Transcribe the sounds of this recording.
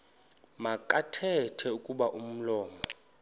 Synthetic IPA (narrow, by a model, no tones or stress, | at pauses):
makʼatʰɛtʰɛukʼuɓaʔum̩lɔːmɔ